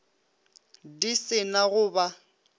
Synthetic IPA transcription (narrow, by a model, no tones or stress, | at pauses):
disɪnaɣʊːba